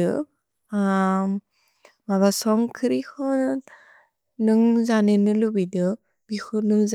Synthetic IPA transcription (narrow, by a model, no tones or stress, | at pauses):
ɯ̰ | a | maβasɔŋkʰɯɾikʰɔ | nɯŋzanenɯlubidɯ | bikʰɔnɯŋz